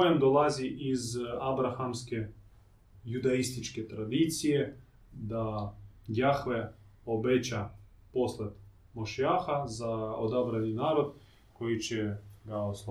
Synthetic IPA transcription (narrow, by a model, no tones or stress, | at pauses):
jemd̪olˠaziʔizabɾaxamske | jud̪aist̪it͡ʃket̪ɾad̪it̪sije | d̪ajaxʋeobet͡ɕa | posled̪ | moʃiaxazaod̪abɾaninaːɾod̪ | kojit͡ɕeɡaosl